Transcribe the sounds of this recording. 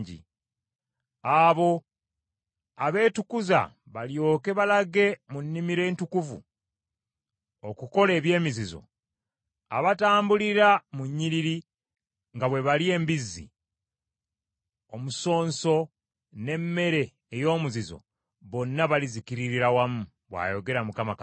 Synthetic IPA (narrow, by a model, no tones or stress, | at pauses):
ɟḭ | aβo̞ | aβe̞ːtukuza̰ | βaljo̞ːke̞βalaɡe̞munːimiɾe̞ːntukuvṵ | okuko̞le̞ːβje̞ːmizizo̞̰ | a̰βataːmbuliɾamuɲːiɾiɾi | ŋɡaβwe̞βalie̞ːmbizːḭ | omuso̞ːnso̞ | ne̞mːe̞ɾe̞ː | jo̞ːmuzizo̞̰ | βo̞nːaβalizikiɾiɾiɾawamu | βwa̰joɡe̞ɾamukamaka